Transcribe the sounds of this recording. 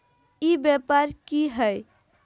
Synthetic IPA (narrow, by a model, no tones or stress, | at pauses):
ibjepaɾkiɦəj